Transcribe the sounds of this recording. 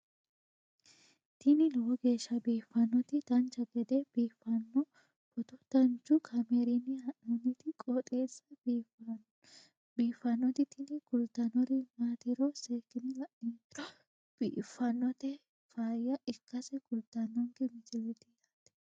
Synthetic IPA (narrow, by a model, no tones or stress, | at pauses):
t̪ɪnɪnɔwɔɡe̞ːʃːɐbiːfːɐnːɔt̪ɪd̪̥ɐnt͡ʃːɐɡɛd̪ɛb̥iːfːɐnːɔ | pɔt̪ɔd̪̥ɐnt͡ʃːʊkʰɐmeɾɪnːɪhɐʔɔnɪt̪ɪkʼɔt̪ʼeːsːɐb | biːfːɐnːɔt̪ɪt̪ɪnɪɡʊlt̪ɐnɔɾɪmaːt̪ɪɾɔseːkːɪnɪlɐʔiː | b̥iːfːɐnːɔt̪ɛ | faːjːɐɪkːɐsɛɡʊlt̪ːɐnːɔŋɡɛmɪsɪlːɪt̪ɪjat̪ːɛ̥